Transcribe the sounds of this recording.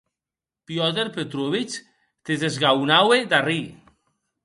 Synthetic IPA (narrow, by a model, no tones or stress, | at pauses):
pjɔt̪eɾpet̪ɾuβit͡ʃ | t̪eðezɣawnawed̪ari